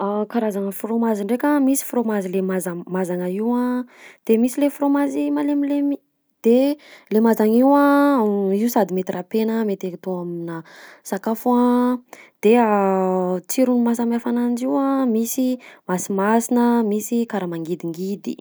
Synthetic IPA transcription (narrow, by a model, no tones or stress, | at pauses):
akaɾazaŋəfromaziɳɖ͡ʐekʲamisi̥fromazilemazamazaŋəiwãd̪̥emisilefromazimalemilemi | d̪̥elemazaŋiwã | iusad̪imet̪irʔapenəmet̪ekit̪oaminəsakafuã | d̪̥ea | t͡siɾunumas̬amafanand͡ʒiwamisimasimasinəmisikaɾamaŋɡid̪iŋɡid̪ḭ